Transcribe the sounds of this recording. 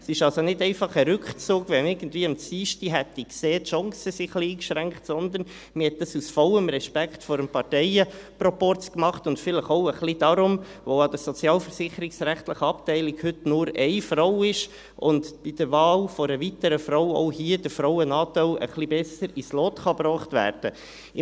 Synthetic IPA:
sɪʃɑlsonɪdɛɪfɑχəɾʏkχt͡suːɡvɛmɪɾɡ̥ən̩tdviːəmt͡siːʃtiɦɛtikseːtʃɔŋsəsiχliiːkʃɾæŋkχtsɔnd̪ən | məhɛt̚d̥ɑsusfɔləmɾɛʃpækχtfɔːɾəmpɑɾtɛɪəpɾɔpɔɾt͡skmɑχtʊntfɪləχoʊəχlid̥ɑːɾʊmʋoɑd̥̪əsɔt͡sjɑːlfəɾsɪχəɾiksɾæχt̪ləχəɑptɛɪlikhʏtnʊɾɛɪfrɔwɪʃ | ʔʊndb̥id̥əɾʋɑːlfɔɾəvitəɾəfɾoʊɔ̰ʊhiəd̥əfɾɔwənɑːtɛɪlə̰χlibɛsəɾislɔːt̪χɑbɾɔːχtvæ̰ːɾd̥ə

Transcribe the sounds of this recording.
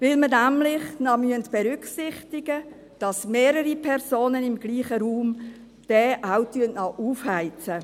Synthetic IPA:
vɪlmənæmlɪχnɑmyəntb̥ɛɾʏkχsɪχtɪɡə | d̥ɑsmeːɾəɾipʰɛɾsoːnənɪmɡ̥liːχəɾuːm | d̥ɛːʔawtyənnɑʔuːfhaɪt͡sə

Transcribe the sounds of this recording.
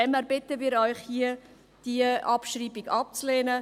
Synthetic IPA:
ɛmɛɾbɪtəmiːɾɔʏχhiə | d̥iəʔɑpʃriːbɪɡɑp̚t͡sleːnə

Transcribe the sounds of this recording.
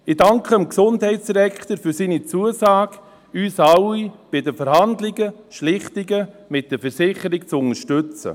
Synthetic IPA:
ɪdɑŋkʰəəmksʊndhɛɪtsd̥iɾɛkχtəɾfyɾsiːnit͡suəsaːɡ̥ | yːsɑwib̥ɪdəfɛɾhɑndlɪɡəʃlɪχtɪɡə | mɪt̚d̥əfɛɾsɪχəɾɪk̚t͡sʊnəʃtʏt͡sə̰

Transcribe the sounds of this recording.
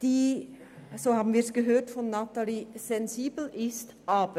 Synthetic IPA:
d̥iː | zoːhaːbn̩viːɾsɡ̥əɦøːtfɔnːataliz̥ɛnziːbl̩ʔɪst | ʔaːbə

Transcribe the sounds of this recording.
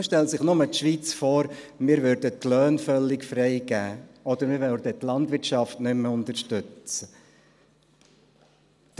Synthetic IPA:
ʃtɛlsɪχnʊmət̪ʃʋiːt͡sfɔːɾ | mɪːɾvʉɾdətlœːnfœlːɪkfɾɛɪɡæːɔd̥̪əɾmɪːɾvœld̪ət̪lɑndvɪɾtʃɑftnʏmʊnt̪əɾʃtʏt͡sə

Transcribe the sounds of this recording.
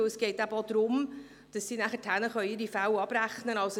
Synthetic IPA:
əsɡ̥ɛɪtæbəod̥̪ɾʊm | d̥ɑsːiːnæχətʰhænəχœʏɪɾifæwɑb̥ræχnənɑls

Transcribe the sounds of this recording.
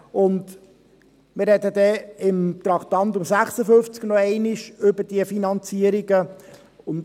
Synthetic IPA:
ʊnd | mɪrːɛdəd̪ɛɪmt̪ɾɑχt̪ɑnt̪ʊmsæχsəfɵft͡sɡ̥nɔɛɪnɪʃʏbəd̥iəfinɑnt͡siəɾiɡə | ʊn

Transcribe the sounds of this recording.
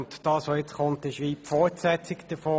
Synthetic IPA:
ntd̥ɑːsʋojɛt͡sχʊntɪʃʋiːpfɔːtsɛt͡sɪkd̥əfoː

